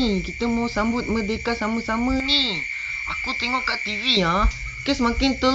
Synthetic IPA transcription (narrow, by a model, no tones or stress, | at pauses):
ikit̪əmawsambʊt̪̚mədekasaməsaməni | akut̪eŋɔʔkaʔt̪ivia | kɛsəmakɪnt̪ə